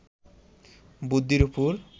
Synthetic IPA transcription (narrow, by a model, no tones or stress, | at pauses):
bud̪ːiɾupuɾ